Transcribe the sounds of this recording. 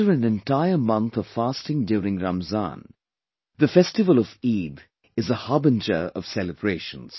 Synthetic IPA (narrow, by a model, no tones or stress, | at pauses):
əɹɨ̃nɨ̃ntaɪəmʌ̃nt̪ʌv̥faːstɪ̃ŋdjuːɾɪ̃ŋɹaməzã̰n | ðəfɛstɨvəlˠəviːd̪ | ɨzəhɑbə̃nd͡ʒə˞ʌ̰v̥sɛləbɹeɪʃə̃nz̥